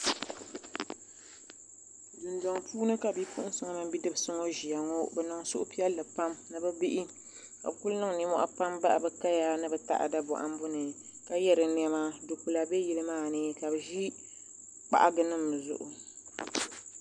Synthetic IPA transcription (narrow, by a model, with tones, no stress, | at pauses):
dɨ˨ndɔ˨ŋpuː˦nɨ˦ka˨bi˦pu˦ʔʊ˦n˦sɨ˨˦ŋa˦mɨ˦m˦bi˦dɨ˦bɨ˨sɨ˦ŋo˦ʒi˨a˨ŋo˦bɛ˨nɨ˨ŋsʊ˦ʔʊ˦pi˦ɛ˦lːɨ˨pa˦mnɨ˨bɨ˦bi˦ʔɪ˦ | ka̰˨bku˦lnɨ˦ŋ˨ni˦mɔ̰˦ʔa˦pa˦mba˦ʔbɨ˦ka˦ja˦nɨ˦bɨ˨ta̰˦ʔa̰˨da˦bɔ̰˨ʔa̰˨m˦bʊ˦nɨ˨ | ka˦jɛ˦ɾɨ˨n˦ɛ˦ma˦do˨ku˨la˨bɛ˦ji˦lɨ˦maː˦˨nɨ˦ka˨bɨ˨ʒi˦ | k͡pa̰˨ʔa˦ɡɨ˦nɨ˦m˨zʊ̰˨ʔʊ˨